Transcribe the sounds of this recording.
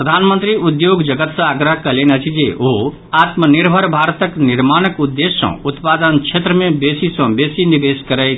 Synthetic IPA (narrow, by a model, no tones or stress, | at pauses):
pɾɐd̪ʱaːnmənt̪ɾiud̪joːɡd͡ʒɐɡət̪sə̃aɡɾəɦkɐlenɐt͡ʃʰid͡ʒeʔo | at̪məniɾbʱəɾbʱaːɾt̪əkniɾmaːnəkud̪ːesːɔ̰̃ut̪paːd̪ənkt͡ʃʰet̪ɾəmẽbesisɔ̃besinibeskəɾɛj